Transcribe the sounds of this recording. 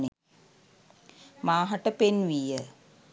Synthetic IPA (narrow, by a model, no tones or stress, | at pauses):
ne | maːɦaʈəpenʋijə